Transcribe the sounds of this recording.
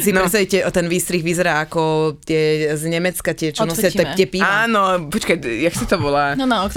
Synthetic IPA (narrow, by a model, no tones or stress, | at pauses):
siɾɛst̪aʋicɛɔt̪ɛnʋiːst̪ɾiɣʋizɛɾaːakɔt̪ɪɛzɲɛmɛt͡skat̪ɪɛt͡ʃɔnɔsɪaɛtɛpiaaːnɔpɔt͡ʃkajaksat̪ɔbɔlannaɔk